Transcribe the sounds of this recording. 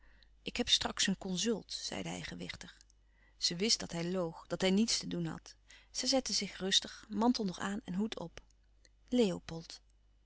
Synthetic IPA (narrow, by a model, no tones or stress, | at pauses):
ʔɪkɦɛpstrɑksənkɔnzɵlˠtz̥ɛ̰jdəɦɛ̰jχəʋɪχtəχ | z̥əʋɪstdɑtɦɛjlowχd̥ɑtɦɛjnitstədunɦɑ̰tz̥əjzɛtəzɪχrɵstəχmɑntəl̩ˠnɔχaːnɛ̰nɦutʰɔ̰p | lejopɔlˠt